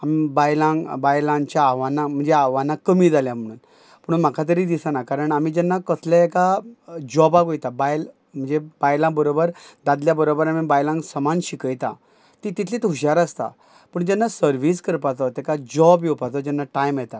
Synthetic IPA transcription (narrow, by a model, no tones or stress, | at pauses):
amibajlãŋɡbajlãŋt͡ɕjaːʋanːam̤əɳd͡zeaʋanːakəmiːd͡zaljam̤əɽ̃ṵːn | pəɽunm̤akʰat̪̬əɾiːd̪isanakaɾəɳamid͡ʑɛnːakət̪ʰleekad͡ʑɔbaɡojt̪abajl | m̤əɳd͡zebajlãbəɾobəɾd̪ad̪ljabəɾobəɾamibajlãŋɡsəmanɕikəjt̪a̰ | t̪it̪it̪ʰlit̪ɦuɕaɾəst̪a̰ | pəɳd͡ʑɛnːasəɾʋiskəɾpat̪ɔt̪ekad͡ʑɔbjepat͡s̪ɔd͡ʑɛnːaʈajmjɛt̪a